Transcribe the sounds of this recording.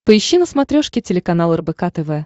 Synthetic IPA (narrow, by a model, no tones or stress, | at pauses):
pəɪɕːinəsmɐt̪ɾʲoʂkʲɪtʲɪlʲɪkɐnalˠɛrbɛkat̪ɛvɛ